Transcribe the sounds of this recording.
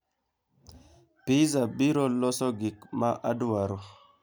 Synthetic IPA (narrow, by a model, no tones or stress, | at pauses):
pizabiɾolɔsɔɡikmaʔaduwaɾo